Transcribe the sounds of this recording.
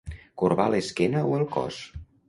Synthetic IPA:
kuɾβaleskɛnəoelˠkɔ̰s

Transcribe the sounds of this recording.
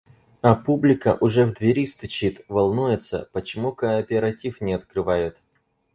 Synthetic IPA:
ɐpublʲɪkəʔʊʐɛvd̪vʲɪɾʲist̪ʊt͡ɕit̪vɐlˠnujɪt̪sə̰pət͡ɕɪmukəːpʲɪɾɐtʲifnʲɪɐt̪kɾɨvajʊt̪

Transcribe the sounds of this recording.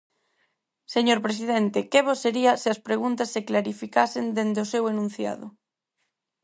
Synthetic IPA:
seɲoɾpɾes̬ið̞ent̪ekeβoseɾiɐseɐspɾeɣunt̪asːeklaɾifikasend̪end̪eosewenũn̟θja̰ðʊ̰

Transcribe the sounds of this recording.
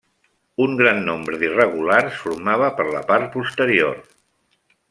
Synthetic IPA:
uŋɡɾanːombɾəðirəɣ̞ulaɾsfuɾmaβ̞əpəɾlə̰paɾt̪̚pust̪əɾior

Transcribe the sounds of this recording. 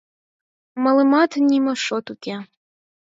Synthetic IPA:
mɐlˠɨmat̪ʰnʲimɐʂot̪ukʲe

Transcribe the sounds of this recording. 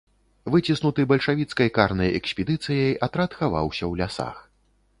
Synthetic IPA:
vɨt͡sʲisnut̪ɨbɐlʲʂavʲit̪skɐjkarnɐjɛksʲpʲɛd̪ɨt̪sɨjɐjat̪ɾat̪xava̰wsʲɐwlʲasa̰x

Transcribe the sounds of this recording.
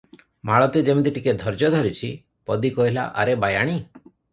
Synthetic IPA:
maɭɔt̪ed͡ʒemit̪iʈiked̪ʱɔɾd͡ʒɔd̪ʱɔɾit͡ʃʰi | pɔd̪ikɔɦila̰ʔa̰ɾebajaɽ̃i

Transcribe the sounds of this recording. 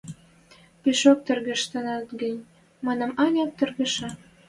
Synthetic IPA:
piʃok̚t̪ərɣə̆ʃt̪ə̆nɑt̪ɡənʲ | mɑnə̆mɑnʲɑk̚t̪ərɣə̆ʃɑ

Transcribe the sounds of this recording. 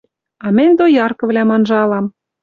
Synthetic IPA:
ɑmɘ̆nʲd̪ojɑrkɤ̆vlʲæmɑnʒɑlɑm

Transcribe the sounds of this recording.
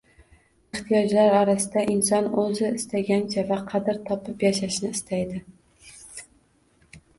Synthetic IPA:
ɪχt̪ʰijɒd͡ʒlaɾɒɾasɪd̪aʔɪnsɒnɵzɪɪst̪ʰaɡʲant͡ʃʰavaqʰɑd̪ɪɾt̪ʰɒpɪpjaʃaʃnɪːst̪ʰajd̪ɪ

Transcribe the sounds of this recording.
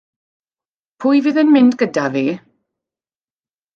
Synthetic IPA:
pʰʊːjviːðənmɪndɡədaviː

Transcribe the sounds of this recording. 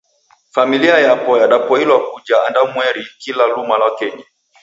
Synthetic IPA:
familiajapɔjaɗapɔilwakud͡ʒaːndamwɛɾikilalumalaɔkɛɲa

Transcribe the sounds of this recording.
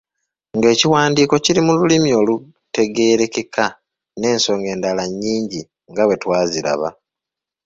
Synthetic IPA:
ŋɡe̞ːciwaːndiːko̞ciɾimululimio̞ːlu | te̞ɡe̞ːɾe̞kekʰa | ne̞ːnso̞ːŋɡe̞ːndalaɲːiːɲɟi | ŋɡawe̞twaːziɾa̰βa̰

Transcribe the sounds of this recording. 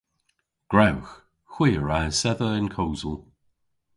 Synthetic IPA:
ɡ̥ɹawx | xwiːɹasɛðəɪnkʰoːzəlˠ

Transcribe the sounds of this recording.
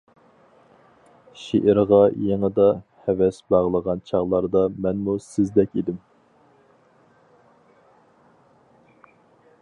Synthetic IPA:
ʃḛʔɪɾʁɑjeŋəd̪ɑhɛvɛsbɑʁlˠəʁɑnt͡ʃʰɑʁlˠɑɾd̪ɑmɛnmusɪzd̪ɛkʲid̪ɪm

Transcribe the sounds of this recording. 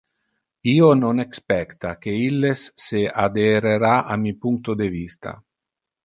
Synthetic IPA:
iːononekspɛkt̪ak̟eilːesːead̪eɾeɾaʔamipuŋk̚t̪od̪evist̪a̰

